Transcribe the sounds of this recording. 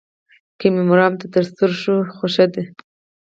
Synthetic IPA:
kəmemʊɾɑmt̪at̪əɾst̪uɾʃuxoʃad̪e

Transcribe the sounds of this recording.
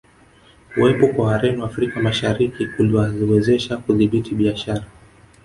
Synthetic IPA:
uwɛpɔkwawaɾɛniwaːfɾikamaʃaɾikiuliwaziwɛzɛʃakuðiɓitʰiɓiaʃaɾa

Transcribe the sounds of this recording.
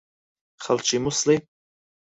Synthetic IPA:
χalt͡ʃʰʼimusli

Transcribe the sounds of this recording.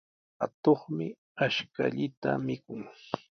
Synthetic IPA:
hat̪oχmɪ | aʃkaʎɪt̪amɪkʊŋ

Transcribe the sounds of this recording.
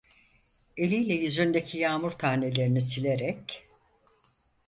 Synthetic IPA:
e̞lʲijlʲɛjyzynd̪e̞cʰijaːmuɾt̪ʰane̞lʲe̞ɾinisilʲeɾɛc

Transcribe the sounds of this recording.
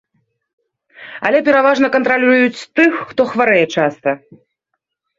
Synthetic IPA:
ɐ̰lʲɛpʲɛɾavaʐnɐkɐnt̪ɾalʲujut͡sʲt̪ɨxːt̪ɔxvaɾɛjɛt͡ʂast̪ɐ

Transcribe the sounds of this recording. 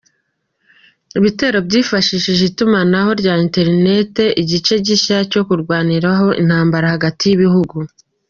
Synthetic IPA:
iβite̞ːɾobɟiːfaʃiʃiʒitumanaho̞ɾɟaːinte̞ɾne̞te̞ʔiɟit͡ʃe̞ɟiʃaco̞kuɾɡwaːniɾaɦo̞ʔḭn̥haːmbaɾahaɡatijiβihuɡu

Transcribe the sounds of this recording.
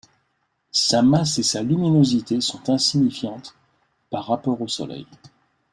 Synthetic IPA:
samasesalyminozit̪esɔ̃t̪ɛ̃siɲifjɑ̃t̪ | paʁːapɔʁosɔ̰lɛ̰j

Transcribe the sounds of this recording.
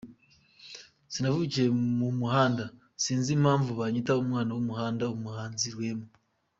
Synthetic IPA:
sinavuiciɾe̞mumuhaːnda | siːnzimhaːɱvuβaɲitaomwaːnawomuhaːndaomuhaːnziɾwe̞ːmu

